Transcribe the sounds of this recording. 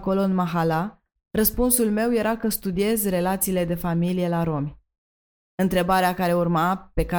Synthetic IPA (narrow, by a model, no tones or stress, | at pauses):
ko̞lo̞ɨnmaɦala | rəspunsulme̞wje̞ɾakəst̪ud̪ie̞zre̞lat̪siːle̞d̪e̞familije̞laɾo̞mʲ | ɨnt̪ɾe̞baɾeakaɾe̞urmape̞ka